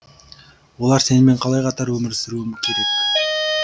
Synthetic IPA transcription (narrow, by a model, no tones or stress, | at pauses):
wo̞lˠɑɾse̞nɪme̞ɴqʰɑlˠɑjqʰɑt̪ɑɾwɵmɪɾsɪɾuɪmkʲʰe̞ɾe̞kʲ